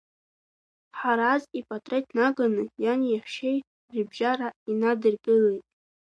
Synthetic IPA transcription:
ħaɾazipʼatʼrejtʰnaɡanɨjaniaħʷʃej | ribʒaɾainadɨrkʼɨlejtʼ

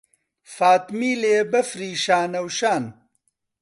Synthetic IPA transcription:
faːt̪miːleːbɐfɾiːʃaːnɐwʃaːn

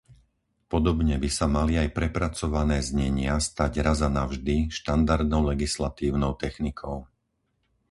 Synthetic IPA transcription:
pɔd̪ɔbɲɛbisamaliajpɾɛpɾat͡sɔʋanɛːzɲɛɲɪast̪aɟɾazanaʊʒd̪iʃt̪and̪aɾd̪nɔʊlɛɡislat̪iːʊnɔʊt̪ɛxnikʰɔʊ

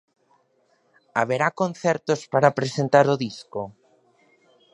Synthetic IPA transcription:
aβ̞eɾakonθɛɾt̪ospaɾapɾesent̪aɾoðisko

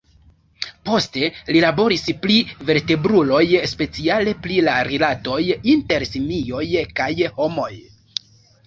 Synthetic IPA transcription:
po̞ste̞lilabo̞ɾisplive̞ɾte̞bɾulo̞jspe̞t͡siale̞plilaɾilato̞jinte̞ɾsimio̞jkajho̞mo̞j

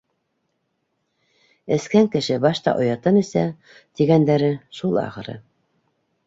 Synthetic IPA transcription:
ɘ̆skæŋkɘ̆ʃɘbɑʃt̪ɑ̰ʔŏjɑt̪ɤnɘ̆sæ | t̪iɡænd̪æɾɘʃulˠɑ̰χɤ̆ɾɤ̰

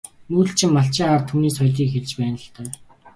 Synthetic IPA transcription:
muːɬt͡ɕʰɪmːaɬt͡ɕɪːŋaːrt̪ʰuːniːsχɔjɮiːkxert͡ɕpæːnə̆ɬt̪œː

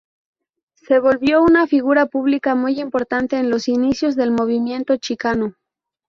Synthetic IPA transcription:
se̞βo̞lβjo̞unafiɣuɾapuβlikamujimpo̞ɾt̪ant̪e̞ːnlo̞sinisjo̞zðe̞lmo̞β̞imje̞nt̪o̞t͡ʃikano

